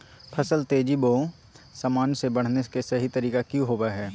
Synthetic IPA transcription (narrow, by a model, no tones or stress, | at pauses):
pʰəsəlt̪eːd͡ʒibõː | saːmaːnsebɐɽ̤nekesɐɦit̪əɾiːkakjũɦoːbaɦɛː